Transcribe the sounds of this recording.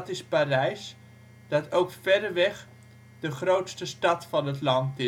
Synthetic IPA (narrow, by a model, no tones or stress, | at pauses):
tɪsparɛjs | d̥ɑtʰowkfɛdəʋɛχ | dəχrowtstəstɑtfɑnətlɑntɪ